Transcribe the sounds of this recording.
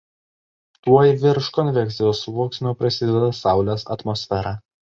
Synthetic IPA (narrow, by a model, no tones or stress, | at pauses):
t̪uɔjiʋʲɪɾʃkɔnʲʋʲɛk̪ʲɪjoːsʋuɔksʲnʲoːpɾɐsʲɪd̪ʲɛd̪ɐsɑˑʊlʲosɐ̰t̪mɔsʲfʲɛɾɑ